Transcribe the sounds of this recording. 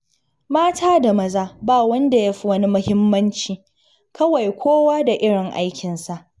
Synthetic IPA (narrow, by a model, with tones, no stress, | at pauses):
maː˦tʰaː˦da˨mɐ˦˨zaː˦baː˦˨wɐ˦nda˨ja˦ɸi˨wɐ˦ni˦mʊ˦hɪ˦mːɐ˦nt͡ʃiː˨ | kɐ˦wɐ˨jkʷoː˦waː˦da˨ʔɪ˦ɽɪ˨ŋʔa̰˦jkʲɪ˨nsa˨ʔ